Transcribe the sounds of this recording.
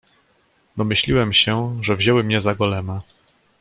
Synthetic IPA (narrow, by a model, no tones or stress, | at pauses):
d̪ɔmɘɕlʲiwɛmɕɛʐɛvʑɛwɘmɲɛzaɡɔlɛma